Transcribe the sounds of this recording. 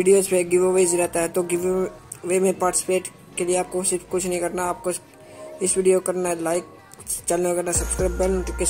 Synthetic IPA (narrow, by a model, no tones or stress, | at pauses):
ʋɪɖijoːzpeɡɪʋoʋezɾɛɦt̪aɦɛt̪oɡɪʋ | ʋemẽpaːɾʈɪsɪ̥peːʈ | kelieaːp̚kosɪɾfkʊt͡ʃʰnəɦĩkɐɾnaaːp̚ko | ɪsʋiːɖijokɐɾnaɦɛlaːɪk̚ | t͡ʃɐlneɡənasɐbskɾaːbənke